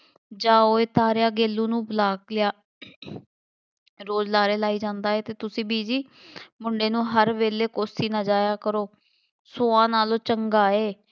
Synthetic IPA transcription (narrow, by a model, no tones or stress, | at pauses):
d͡ʒãːoːeːt̪aːɾjaːɡeːlːũːnũːbəlaːklɪjaː | ɾoːd͡ʒlaːɾeːlaːiːd͡ʒãːnd̪aːeːt̪eːt̪ʊsĩːbiːd͡ʒiː | mʊɳɖeːnũːɦəɾʋeːleːkoːsiːnad͡ʒaːjaːkəɾoː | soːãːnaːloːt͡ʃəŋɡaːeː